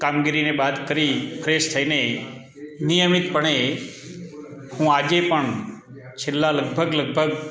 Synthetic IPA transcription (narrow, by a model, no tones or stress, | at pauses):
kamɡiɾinebad̪kəɾipʰəɾest̪ʰəine | nijəmit̪pəɳ̃e | hũad͡ʒepəɳ | t͡ʃʰelːaləɡbʱəɡləɡ̚bʱəɡ